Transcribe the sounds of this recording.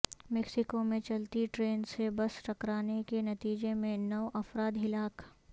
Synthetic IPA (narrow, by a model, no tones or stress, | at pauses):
mɛksɪkomẽt͡ʃɐlt̪iʈɾeːnsebɐsʈɐkɾaːnekenɐt̪iːd͡ʒemẽnɐʋʔɐfɾaːd̪ɦɪlaːk